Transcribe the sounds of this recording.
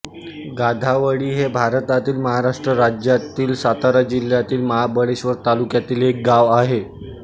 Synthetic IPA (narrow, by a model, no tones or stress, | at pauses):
ɡad̪ʱaʋəɽiːɦebʱaɾt̪at̪iːlməɦaɾaʂʈɾəɾad͡ʑjat̪iːlsat̪aɾad͡ʑil̤jat̪iːlməɦabəɽeɕʋəɾt̪alukjat̪iːlek̚ɡaʋaɦe